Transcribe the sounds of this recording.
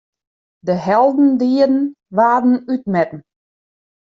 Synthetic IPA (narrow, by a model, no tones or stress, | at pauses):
dəɦɛlˠdn̩diːədn̩ | ʋaːdn̩yt̚mɛtn̩